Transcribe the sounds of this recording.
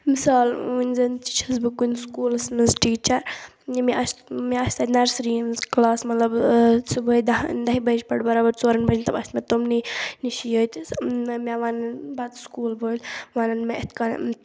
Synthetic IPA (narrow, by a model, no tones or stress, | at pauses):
misaːlunʲzɐnt͡ʃi̥t͡ʃʰɐsbɨkunʲskuːlɐsnɐzʈiːt͡ʃɐɾ | imiɐsmeɐst̪ɐt̪ʲnɐɾsɾiːmzklaːsmɐt̪lɐbsubəːid̪ɐd̪ɐɦibɐd͡ʒpɐɽbɐɾaːbɐɾt͡soːɾɐnbɐd͡ʒnʲt̪ɐbɐsʲt̪met̪omniniʃijəːt̪ʲsmʲaʋaːnɐnbɐd̪skuːlbolʲʋaːnɐnmeɐt̪ʲkan̰